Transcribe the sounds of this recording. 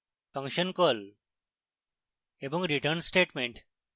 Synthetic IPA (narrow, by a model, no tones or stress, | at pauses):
fɐ̃ŋʃənkol | eboŋɡɾiʈəɾnsʈeːʈmẽɳʈ